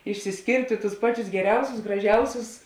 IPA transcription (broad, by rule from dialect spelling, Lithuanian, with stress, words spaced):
ɪʃʲsʲɪsʲˈkʲeːrʲtʲeː tʊs ˈpɑːˌt͡ʃʲʊs ɡʲɛˈrʲɛʊsʲʊs ɡrɐˈʒʲɛʊsʲʊs